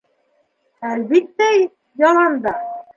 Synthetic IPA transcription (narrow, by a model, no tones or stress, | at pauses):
ælβit̪ːæj | jɑlˠɑnd̪ɑ